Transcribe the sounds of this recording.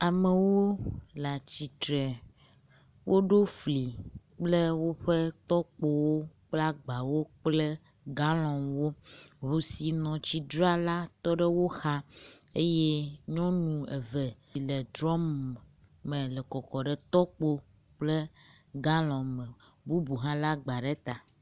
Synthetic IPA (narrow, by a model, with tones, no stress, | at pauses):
a˨me˨wo˦la˨t͡ɕi˨t̪ɾɛ˨ | wʔo˦ɖo˦fli˨ | k͡ple˦wo˦ɸe˦t̪ɔ˦k͡po˦wo˦k͡pla˦ɡ͡ba˨wo˦k͡ple˦ | ɡa˦lɔ̃˨wo˦ɦu˨si˨nɔ̃˨t͡ɕi˦d̪ɾa˦la˦t̪ɔ˦ɖɛ˦wo˦xa˦e˦jɛ˦ɲɔ̃˦nũ˨e˨vɛ˨lɛ˨d̪ɾɔ˦m | mẽ˨lɛ˨kɔ˨kɔ˨ɖɛ˨t̪ɔ˦k͡po˦ | k͡ple˦ | ɡa˦lɔ̃˨mɛ̃˨ | bu˦bu˨ɦã˦la˦ɡ͡ba˨ɖɛ˦t̪a˨